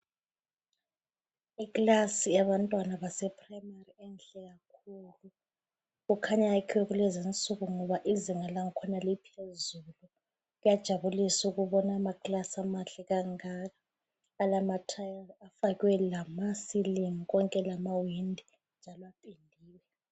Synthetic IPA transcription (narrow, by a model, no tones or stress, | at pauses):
iklasijaβantʼwanaβasɛpʰʼrajmariɛnɬɛɣakʰuːlu | ɣukʰaɲaakʰiwɛɣulɛzint͡sʼuɣuŋɔβaʔiziŋalaŋ̩kʰɔnalipʰezulu | ɣujad̥ʒ̥ʱaβulisuɣuβɔnamaklasamaɬɛɣaŋaɣaː | lamatʰajlafaɣwɛlamasiliŋiɣɔŋkʼɛlamawindʱi | nd͡ʒʱalɔapʼindʱiːwɛ